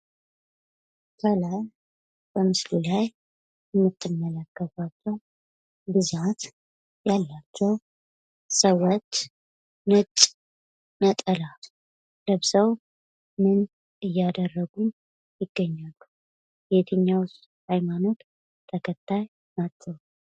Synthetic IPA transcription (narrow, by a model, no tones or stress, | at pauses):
t̪ʰəlaj | b̥əmɨslulaj | ɛmːɨt̪ʰːɨmːələkʰːəβat͡ʃːɛw | bɨzat̪ | jalːat͡ʃːɛw | səwɔt̪ | nɨt̪ʼ | nət̪ʼəlat̪ | ləβzaw | mɨn | ɨjːad̪ərːəɡun | jɪɡːəɲːalːu | bet̪ʰɨɲːawʊst̪ʼ | hajmano̞t̪ | t̪ʰəkʰət̪ʰːaj | mat̪ʰːəw